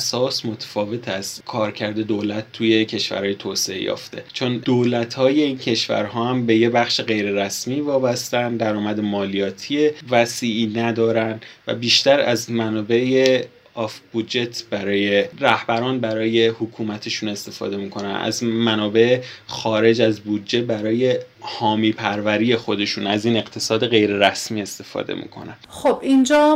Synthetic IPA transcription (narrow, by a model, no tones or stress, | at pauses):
sɒːsmo̞t̪ʰæ̥fɒːve̞t̪ʰæzkʰɒːɾcʰæɾd̪e̞d̪oːlæt̪ːuːje̞cʰe̞ʃvæ̰ɾhɒːjet̪ʰoːseḛjɒ̰ːft̪ʰe̞̰t͡ʃʰond̪oːlæt̪hɒːje̞incʰe̞ʃvæ̰ɾɦɒːhæmbe̞je̞bæxʃeɣe̞jɾe̞ɾæsmiːvɒːbæst̪ænd̪æɾɒːmæd̪emɒːlijɒːt̪ʰievæsiːʔiːnæd̪ɒːɾænd̪væ̰biːʃt̪æɾæ̰zmænɒːbe̞e | ɒfb̥ud̪d͡ʒe̞t̪ʰbæɾɒːje̞ɾæhbæɾɒːnbæɾɒːje̞hokʰuːmæt̪ʰe̞ʃuːne̞st̪e̞fɒ̰ːd̪e̞miːkʰo̞næ̰næ̰zmænɒːbe̞xɒːɾe̞d͡ʒæzbud̪d͡ʒe̞bæɾɒːje̞ | hɒːmiːpʰæɾvæɾiːje̞xo̞d̪e̞ʃuːnæziːne̞qt̪ʰe̞sɒːd̪e̞ɣe̞jɾe̞ɾæsmiːe̞st̪e̞fɒ̰ːd̪e̞̰mḭːkʰo̞̰nænxobind͡ʒɒː